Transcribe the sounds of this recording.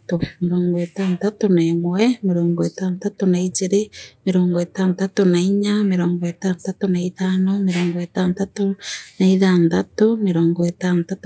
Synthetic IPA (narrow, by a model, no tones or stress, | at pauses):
tomeɾoːŋɡetaːntatoneːmwɛmeɾoːŋɡoetaːntatonaid͡ʒiɾemeɾoːŋɡɔetaːntatonaiɲameɾoːŋɡɔetaːntatonaitaːnomeɾoːŋɡɔetaːntatonaiðaːndatomeɾoːŋɡoetaːntat